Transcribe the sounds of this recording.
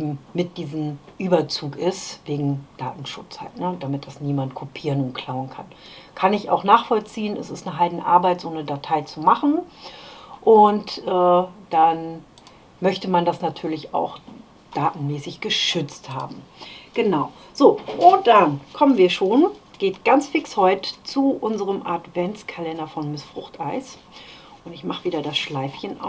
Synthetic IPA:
ʔeːbm̩mɪt̚d̥iːzəm̩ʔyːbɐt͡suːkʔɪstv̥eːɡŋ̩d̥a̰ːtn̩ʃʊ̰t͡sha̰ltnəd̥amɪt̚d̥asniːmant̚kʰopʰiːʁənʊnt̚kʰl̥aʊənkʰan | kʰanɪça̰ʊxnaːχfɔlt͡siːənɛsɪstnəɦaɪdn̩ʔa̰ɐbaɪtz̥oːnədatʰaɪt͡sumaχn̩ | ʔʊntʔɛːd̥an | mœçtəmandasnatʰyːɐlɪça̰ʊx | d̥aːtn̩mɛːsɪçɡ̥əʃʏt͡stha̰ːbm̩ɡ̥ənaʊ | z̥oːʔʊnt̚d̥ankʰɔmənviːɐʃoːnɡ̥eːtɡ̥ant͡sfɪkshɔʏtə̥t͡suʔʊnzəʁəmʔatv̥ɛnt͡skʰalɛndɐfɔnmɪsfʁ̥ʊχtʔaɪs | ʔʊntɪçmaχəviːdɐdasʃlaɪfçən̰

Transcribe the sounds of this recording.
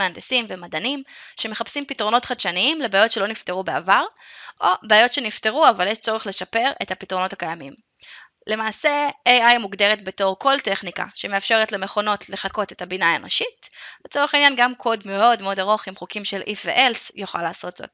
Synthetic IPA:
eand̪esimvemadanimʃe̞me̞χapsimpitʁo̞no̞tχadʃaniimlebeajo̞tʃelo̞nifteʁubea̰vaʁʔo̞beajo̞tʃe̞nifte̞ʁuavaljeʃt͡so̞ʁeχle̞ʃape̞ʁethapitʁo̞no̞takajamim | le̞maːse̞ejajmuɡdeʁetbe̞to̞ʁko̞lte̞χnika̰ʃeme̞afʃe̞ʁetleme̞χo̞no̞tʰle̞χako̞tetabinaenoʃitbet͡soeχainjanɡamkʰo̞dmeo̞dmeo̞daʁo̞χimχukimʃe̞lʔifvḛʔelsjuχa̰laːso̞tzo̰t

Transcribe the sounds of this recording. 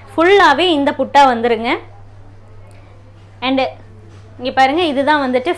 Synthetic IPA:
fʊɭːaːʋeːɪnd̪ɐpʊʈːaːʋɐnd̪ɯɾɯŋɡɐ | ɐɳɖ | ɪŋɡeːpaːɾɯŋɡɐɪðɯt̪ãːʋɐnd̪ɯʈːɯ

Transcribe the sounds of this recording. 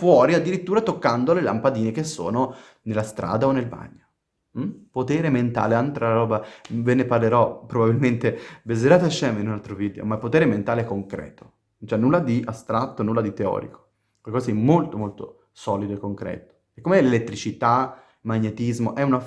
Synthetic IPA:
fwɔːɾiad̪ːiɾit̪ːuːɾat̪okːand̪olela̰mpad̪iːnekesːo̰ːno | nelːast̪ɾa̰ːd̪aonːelba̰ɲːo | m̩pot̪eːɾement̪a̰ːleant̪ɾalaɾɔːbaveneparleɾɔpːɾobabilment̪ebezeɾaːt̪eaʃːɛːmeinunalt̪ɾoviːd̪eo̰mapːot̪eːɾement̪aːleɛkːoŋkɾɛ̰ːt̪o̥ | nont͡ʃɛnːulːad̪iʔast̪ɾat̪ːonulːad̪it̪eɔ̰ːɾḭko̥ | kekɔzaimːolt̪omolt̪o | sɔːlid̪oekːoŋkɾɛ̰ːt̪o̥ | ekːomeɛlelet̪ːɾit͡ʃit̪a | maɲːet̪izmoʔɛuna

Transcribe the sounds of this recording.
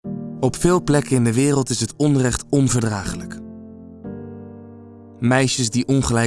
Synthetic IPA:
ɔpfɪːlˠplɛkəɪndəʋɪːrəlˠtɪsɦətɔnrɛχtɔnvəɹdraːχələk | mɛjʃəzdiʔɔnχəlɛj

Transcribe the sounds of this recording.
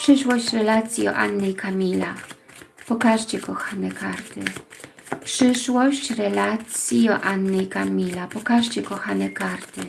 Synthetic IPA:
pʂɘʂwɔɕt͡ɕɾɛlat̪sʲjiɔ̰ʔa̰nːɛjkʰamʲila | pɔkaʐt͡ɕɛkɔxanɛkʰaɾt̪ɘ̰ | pʂɘʂwɔɕt͡ɕɾɛlat̪sʲjiɔʔanːɛjkamʲilapɔkaʐt͡ɕɛkɔxanɛkaɾt̪ɘ

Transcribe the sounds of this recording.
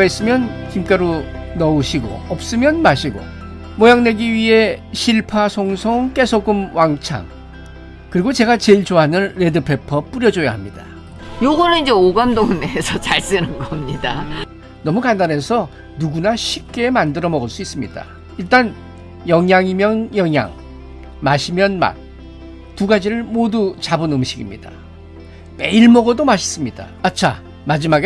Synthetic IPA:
is͈ɯmjʌnkimk͈aɾonʌuɕʰiɡo̰ʌp̚s͈ɯmjʌnmaɕʰiɡo̰ | mojaŋne̞ɡiɥiɦe̞ɕʰiɭpʰasʰoŋsʰoŋk͈e̞sʰoɡ͈ɯmwaŋt͡ɕʰa̰ŋ | kɯɾiɡot͡ɕe̞ɡat͡ɕeɭt͡ɕoɦanɯnɾe̞dɯpʰe̞pʰʌp͈uɾjʌd͡ʑoja̰ɦamɲida̰ | joɡʌnɯnid͡ʑeoɡʌndoŋmeːsʰʌt͡ɕaɭs͈ɯnɯnɡʌmɲida | nʌmukandane̞sʰʌ | nuɡunaɕʰip̚k͈e̞mandɯɾʌmʌɡɯɭs͈uis͈ɯmɲida̰ | iɭt͈an | jʌŋjaŋimjʌnjʌŋja̰ŋ | maɕʰimjʌnma̰t̚ | tuɡad͡ʑiɾɯɭmodut͡ɕabɯnɯmɕʰiɡimɲḭd̥a̰ | me̞iɭmʌɡʌdomaɕʰi̥s͈ɯmɲida̰at͡ɕʰa | mad͡ʑimaɡe

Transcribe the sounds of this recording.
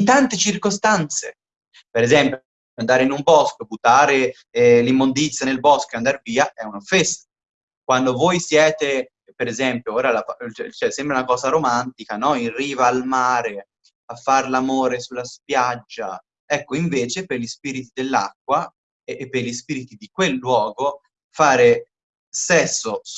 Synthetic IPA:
t̪ant̪et͡ʃirkost̪ant̪sḛ | peɾezɛmpjo | and̪aːɾeinumbɔskobut̪ːaːɾe | ɛlimːond̪it̪sjanelbɔskoeand̪aɾviːaʔɛunofːesa | kwand̪ovojsjɛːt̪e | peɾezɛmpjooːɾalafaɛt͡ʃɛsɛmbɾeunakɔːzaɾomant̪ikanɔirivaːlmaːɾe | afːaɾlamoːɾesulːaspjad͡ʒːa̰ | ɛkːoiɱveːt͡ʃeperʎispiːɾit̪id̪elːa̰k̚ːwaː | pːerʎispiːɾit̪id̪ikwelːwɔːɡo | faːɾe | sɛsːo

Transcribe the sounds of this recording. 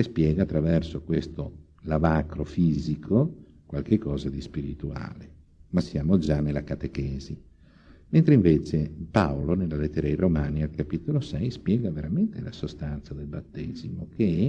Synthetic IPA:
espjɛːɡaːt̪ːɾavɛrsokwest̪o | lavaːkɾofiːzikʰo | kwalkekːɔːzad̪ispiɾit̪ua̰ːle | masjaːmod͡ʒanːelːakat̪ekɛːzi | ment̪ɾeiɱveːt͡ʃepaolonelːalet̪ːeɾairomaːnialkapit̪olosɛjspjɛːɡaveɾament̪elasost̪ant̪sad̪elbat̪ːeːzimokeɛ

